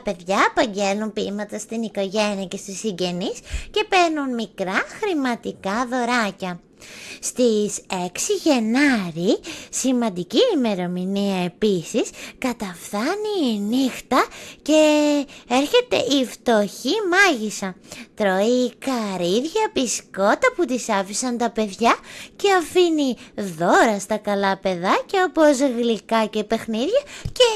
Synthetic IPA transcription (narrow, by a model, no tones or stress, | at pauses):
ɐpe̞ðʝɐːpɐɲɟe̞lumpimɐt̪ɐst̪iniko̞ʝe̞niɐce̞st̪isiɲɟe̞nisce̞pe̞ɾnunmikɾɐxɾimɐt̪ikɐðo̞ɾɐcɐ | st̪iseksiʝe̞nɐɾisimɐnd̪iciːme̞ɾo̞miniɐe̞pisiskɐt̪ɐfθɐninixt̪ɐce̞e̞ɾçe̞t̪e̞̰ʔift̪o̞çimɐʝisɐt̪ɾo̞ikɐɾiðʝɐpisko̞t̪ɐput̪isɐfisɐnt̪ɐpe̞ðʝɐce̞ɐfiniðo̞ɾɐst̪ɐkɐlɐpe̞ðɐce̞o̞po̞zɣlikɐce̞pe̞xniðʝɐce̞